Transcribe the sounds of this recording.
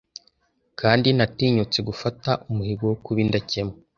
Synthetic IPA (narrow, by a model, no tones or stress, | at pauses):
kʰaːndinatiːɲut͡se̞ɡufataʔumuhiɡowokuβindace̞mo